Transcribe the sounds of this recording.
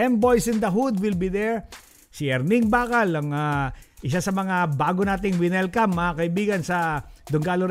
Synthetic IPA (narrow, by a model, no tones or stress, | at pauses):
ɛmbojsɪ̃nd̪ɐɦud̪wɪlbiðɛɹ | sɛɾnɪŋbaːkɐlɐŋaʔɪsasɐmɐŋabaːɡonaːt̪ɪŋwɪnɛlkɐmːɐkɐʔɪbiːɡɐnsɐd̪ʊŋɡaːlo